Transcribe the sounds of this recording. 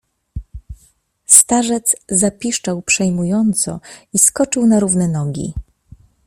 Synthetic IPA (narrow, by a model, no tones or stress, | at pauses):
st̪aʐɛt̪szapʲiʂt͡ʂawpʂɛjmujɔnt̪sɔ̰iskɔt͡ʂɘwnaɾuvnɛnɔɡʲḭ